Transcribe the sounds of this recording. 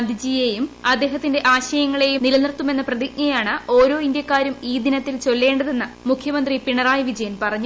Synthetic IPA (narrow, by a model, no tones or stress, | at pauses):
nd̪ʱid͡ʑiːje̞jumɐd̪ːe̞ːɦɐt̪ːinde̞ʔaːɕɐjɐŋːɐɭe̞jumnilɐnirt̪ːume̞nːɐprɐðik̚nɐjaːɳɨo̞ːɾo̞ːindjɐkːaːɾumiːd̪inɐt̪ːilt͡ɕo̞lːe̞ːɳɖɐðe̞nːɐmukʰjɐmɐnd̪ripiɳɐraːjɐʋid͡ʑɐjɐnpɐrɐɲːu